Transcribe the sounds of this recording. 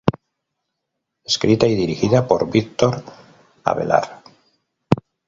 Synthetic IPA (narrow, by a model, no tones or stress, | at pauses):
e̞skɾit̪aiðiɾixiðapo̞ɾβikt̪oɾ | a̰βe̞̰la̰ɾ